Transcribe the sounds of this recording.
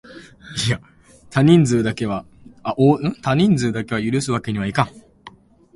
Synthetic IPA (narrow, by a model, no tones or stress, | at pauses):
ija | t̪aɲ̟ĩnd͡zɨːd̪ake̞βa | aʔoːɯ̃t̪aɲ̟ĩnd͡zɨːd̪ake̞βajɯ̟ɾɯ̟sɨβake̞ɲ̟iβaikãŋ